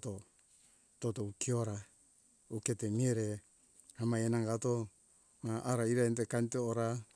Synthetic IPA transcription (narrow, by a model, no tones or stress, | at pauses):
to | totoukioɾa | uketemieɾe | amajenaŋɡato̞ | maʔaɾaiɾantekantooɾa